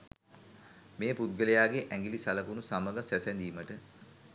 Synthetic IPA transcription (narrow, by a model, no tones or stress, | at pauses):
meːpud̪̚ɡəlejaːɡeʔæŋɡilisaləkunusaməɡəsæsænd̪iːməʈə